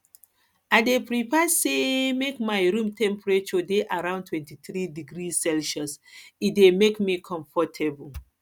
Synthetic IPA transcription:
aɪdepɹipasemekmajɹũmtʰɛ̃mpɹet͡ʃɔdeʔaɾãʊ̃ntʰwɛ̃ntiθɹidiɡɾisɛlʃɔsit̚demekmikʰɔ̃ɱfɔtʰɛbul

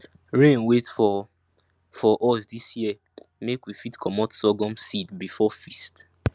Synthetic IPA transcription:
ɹẽnwetfɔ | fɔʔɔsdisjiə | mekwifitkʰɔmɔtsɔɡɔ̃msidbifɔfist

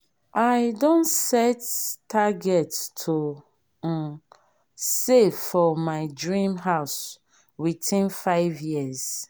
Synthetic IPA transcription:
aɪdõnsɛtʰːaɡɛttʰo | m̩ | seffɔmaɪdɹĩmɦaʊs | witĩnfaɪvjiz̥

